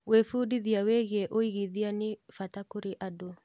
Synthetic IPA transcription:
wefuːdiðiaweɣɛʔoiɣiðianefatakoɾeʔado

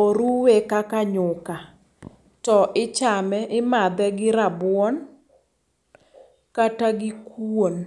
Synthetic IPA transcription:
oɾuwekakaɲʊka | tɔʔɪt͡ʃamɛʔɪmad̪ɛɡɪɾabwɔn | kataɡɪkon

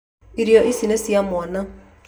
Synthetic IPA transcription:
iɾjɔʔisinesiamɔna

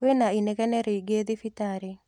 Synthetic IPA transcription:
wenainɛkɛnɛɾeiɡed̪ifitaɾe

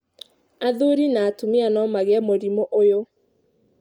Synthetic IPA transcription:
aðuɾinaːtumianɔmaɣɛmoɾimoʔojo

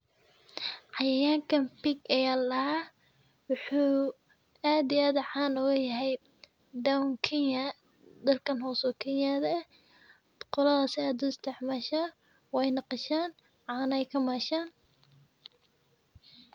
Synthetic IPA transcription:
ʕɑjɐjaːŋkʰɐmpiɡɛjalɐhaː | wʊħuː | aːd̪ɪaːðɐʕɑːnɔːɣɐjɐɦɛj | d̪awŋkʰɪnjɐ | d̪ɐlkʰɐnhɔːsɔkʰɛnjaðɐ | qɔlɐðɐsɪaːd̪ʊɪst̪ʰɛħmaːʃa | wɛjnɑqɑʃaːn | ʕɑːnɛjkʰɐmaːʃaːn

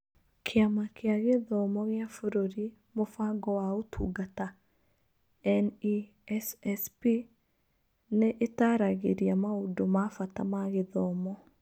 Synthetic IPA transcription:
kʰɪamakʰjaɣeðɔmɔɣjafoɾoɾi | mofaɡɔwaotʰṵɡata | ɛni | ɛsɛspi | neʔetaɾaɣeɾjamaudomafatamaɣɪðɔmɔ

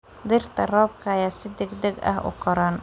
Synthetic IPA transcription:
d̪ɪrt̪ʰɐrɔːb̚kʰɐjaːsɪd̪ɛɡd̪ɛɡɐ̰ɦʊ̰kʰɔɾɐn

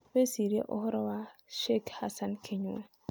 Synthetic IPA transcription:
besiɾiḛʔɔhɔɾɔwaʃɛkhasankʰeɲua

